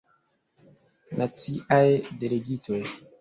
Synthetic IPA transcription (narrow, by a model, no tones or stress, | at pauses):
nʔat͡siʔajde̞le̞ɡito̞j